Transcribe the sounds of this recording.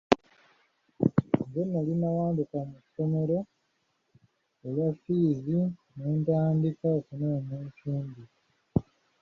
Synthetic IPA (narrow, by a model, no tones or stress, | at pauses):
ŋɡonːalinawaːndikamucso̞me̞ɾo̞ | elafiːzine̞ːntaːndikakunaneːcuːmbi